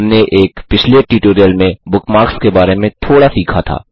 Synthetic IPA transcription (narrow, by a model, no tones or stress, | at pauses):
mneʔeːkpɪt͡ʃʰleʈiʈoːɾijəlmẽbʊkmaːkskebaːɾemẽt̪ʰoːɽasiːkʰat̪ʰa̰ː